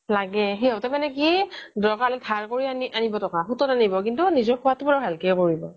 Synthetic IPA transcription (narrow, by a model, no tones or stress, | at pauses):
laɡɛɦiɔtamanɛkidɔkaɹlɛtʰaɹkoɹianiʔanibɔtɔkaxutɔtanibɔk̬intunizɔɹkʰuwatʊbɔɹabʱalkɛkoɹibɔ̰